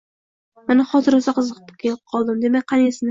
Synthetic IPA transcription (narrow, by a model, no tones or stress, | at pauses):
manaχɒt̪ɪɾɒsaqʰɨzɨqʰɨ̥pʰʊ̥kʲʰelɪp̚qʰɒlˠd̪ɪmd̪e̞mak̚ʲqʰɑnesɪn